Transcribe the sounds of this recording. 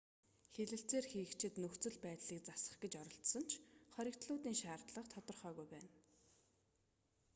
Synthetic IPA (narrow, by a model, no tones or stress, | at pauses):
xeɮɘ̆ɬt͡seːrxiːkt͡ɕʰɪ̆t̪nɵxt͡sɵ̆ɮpæːt̪ɮiːkt͡sasə̥̆χɡet͡ɕɔɾɞ̆ɬt̪sɞ̆nt͡ɕʰχɔɾʲɪ̆kt̪ɮʊːt̪iːŋʃaːrt̪ɮə̆χt̪ʰɔt̪ɞ̆rχœːɣujpæːn